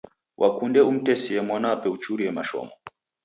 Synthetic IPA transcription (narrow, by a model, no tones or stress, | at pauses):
wʔakundɛum̩tɛsiɛmwanapɛut͡ʃuɾiɛmaʃɔ̰mɔ